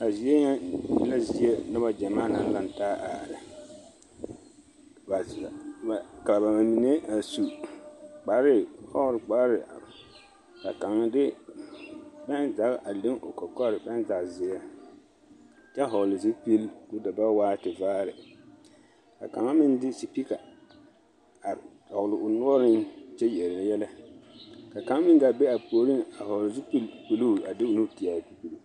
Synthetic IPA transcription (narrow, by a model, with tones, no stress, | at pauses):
a˨zi˨e˦ɲɛ˦jɪ̰˦la˦zɪ˦e˦nʊ˦ba˦d͡ʒɛ˨maː˦na˨n˦la˦n˨taː˦ʔa̰ː˨ɾɪ˨ | ba˨ka˨a˨ba˨ma˨mi˨ne˦a˨su˨ | k͡pa˨˦ɾɪ˦hɔ˦ɾɪ˨k͡pa˦ɾɪ˨ | ka̰˨ka˨ŋa˦dɪ˦ | bɛ˦nza˨ɣʔa˨le˦ŋo˨kɔ˨kɔ˦˨ɾɪ˨bɛ˦nza˨kzɪ˨ɛ˦ | t͡ʃɛ˦a˦˨ɦɔ˨lɪ˨zi˦pi˦lku˦da˨ba˦waː˦tɪ˨vaː˦ɾɪ˨ | ka̰˨ka̰˨ŋa˦mɪ˦n˦dɪ˦si˨pi˦ka˨ | a˨ | ɔ˨lɪ˨ʔʊ˨nʊ˦ɔ˦ɾɪ˦nt͡ʃɛ˦jɛ˨ɾɛ˨ɛ˦jɛ˦lɛ˦ | ka˨ka˨ŋa˦mɪ̃˦nda˨be˦a˨poː˨˦ɾi˦na˨hɔ˨lɪ˨zi˦pi˦lpi˨lu˦˨a˨dɪ˦ʊ˨nu˦˨ti˨a˨pi˨pi˨l